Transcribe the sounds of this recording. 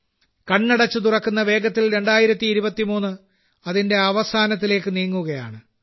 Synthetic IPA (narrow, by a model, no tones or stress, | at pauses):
kɐɳːɐɽɐt͡ɕːɨt̪̬urɐkːunːɐʋe̞ːɡɐt̪ːilɾe̞ɳɖaːjiɾɐt̪ːiːɾubɐt̪ːimuːnːɨ | ɐðinde̞ɐʋɐsaːnɐt̪̬ːile̞ːkːɨniːŋːuɣɐja̰ːɳɨ